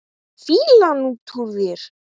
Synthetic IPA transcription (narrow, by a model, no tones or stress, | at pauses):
fiːlanut̪ʰuɾvɪɾ̥